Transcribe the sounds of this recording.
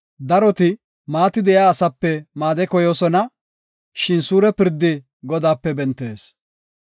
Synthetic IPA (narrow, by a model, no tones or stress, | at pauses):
d̪ɐɾɔt̪ɪ | maːt̪ɪd̪ɛjaːsɐpːɛmaːd̪ɛkɔjo̞ːsɔnɐ | ʃɪnsuːɾɛpɪɾd̪ːɪ | ɡɔd̪aːpːɛbɛnt̪ːe̞̰ːs